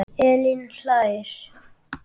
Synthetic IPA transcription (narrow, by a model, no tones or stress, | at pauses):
elinɬaʃ